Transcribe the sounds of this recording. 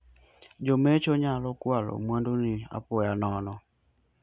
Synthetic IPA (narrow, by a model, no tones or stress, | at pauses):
d͡ʒomet͡ʃoɲalɔkwalo̰mwandonɪa̰pɔjanɔnɔ